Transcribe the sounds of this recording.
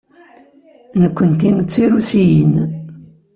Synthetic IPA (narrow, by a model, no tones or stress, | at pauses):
nəkʷːənt̪int͡sːiɾusijən